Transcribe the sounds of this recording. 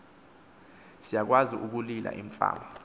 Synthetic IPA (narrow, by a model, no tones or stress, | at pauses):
sijak̬waziʔuk̬ulilʔa̰ʔiɱfʼa̰ːma